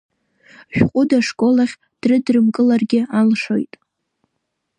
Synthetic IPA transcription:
ʒᶣqʷʼʊdaʂkʼo̞laχʲ | d̥rɨdrɨmkʼɨlarɡʲɪalʂo̞̰jtʼ

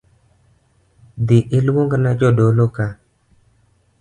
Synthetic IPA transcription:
diʔɪlwoŋɡnad͡ʒodoloka

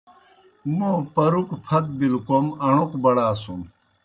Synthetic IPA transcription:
mõːpɐɾukpʰɐt̪̚bilkomɐɳ̃ukbɐɽaːsum

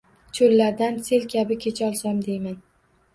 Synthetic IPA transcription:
t͡ʃʰolːaɾd̪anse̞lkʲʰabɪkʲʰet͡ʃʰɒlˠsɒmd̪e̞jman

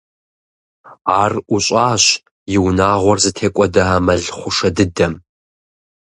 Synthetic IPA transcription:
aːrʔʊɕʼaːɕ | jɪwnaːʁʷɔrzɨtʰeːkʷʼɔdɐamɐɮχʷʊʂɐdɨdɐm

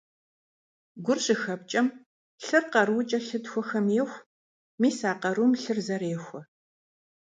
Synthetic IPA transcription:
ɡʷʊrɕʼɪxɐp̚t͡ʃʼɐm | ɬɨrqɐrwʊt͡ʃʼɐɬɨtxʷɔxɐmjɪxʷ | miːsaːqɐɾumɬɨrzɐreːxʷɔ

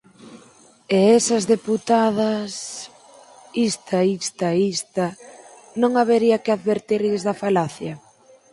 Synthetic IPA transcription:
eɛsɐzðeput̪aðɐs | ist̪ʰaist̪aeist̪a | nõŋaβeɾiɐkɪaðβeɾt̪iɾʎɪzðɐfalaθjɐ

